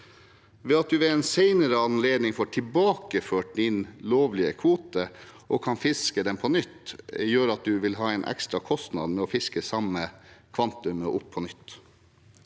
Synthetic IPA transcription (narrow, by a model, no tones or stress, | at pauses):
ʋeːɑt̪̚d̪ʉʋɛɛːnseɪnəɾəɑnleːd̪nɪŋfoːʈʰɪlbɑːkəføːʈ̚d̪ɪnloːʋlɪəkʰʋuːt̪əʔɔkʰɑnfɪskəd̪ɛmpʰɔnʏt̪ːjøːɾɑt̪̚d̪ʉʋɪlɦɑːɛɪnʔɛ̰kst̪ɾɑkʰɔst̪nɑ̰d̪mɛɔːfɪskəsɑmːəkʰʋɑnt̪ʉməʔʊpʰːɔnʏt̪ː